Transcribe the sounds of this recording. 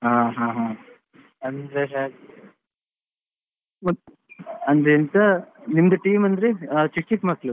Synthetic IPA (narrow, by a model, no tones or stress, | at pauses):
ɦãːɦãːɦã | ɐnd̪esaːk | mɐ | ɐnd̪ɾeɐnt̪ɐnimd̪ɐʈiːmɐnd̪ɾet͡ʃik̚t͡ʃikmɐklu